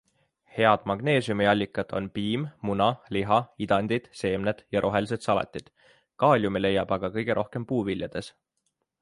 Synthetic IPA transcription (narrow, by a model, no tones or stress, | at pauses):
he̞ɑd̪̥mɑɡ̥ne̞ːsjumiɑlʲːikːˑɑd̪̥o̞̰npiːmmunɑliɦɑid̪̥ɑnʲd̪̥id̪̥se̞ːmned̪̥jɑɾʔo̞ɦe̞lis̬e̞d̪sɑlɑ̰t̪ʲːˑid̪̥ | kɑːlʲjumile̞jɑb̥ɑɡ̥ɑkɤ̞jɡ̥e̞ɾʔo̞hke̞mpuːvilʲjɑd̪̥e̞s